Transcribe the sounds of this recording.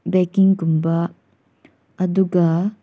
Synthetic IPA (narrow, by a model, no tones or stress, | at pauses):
bɛkiŋkumba | ɐd̪uɡɐ